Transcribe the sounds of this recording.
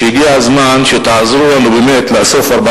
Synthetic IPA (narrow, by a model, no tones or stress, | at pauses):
iɡiazmanʃet̪aʕazɾuanobimet̪lasofaɾba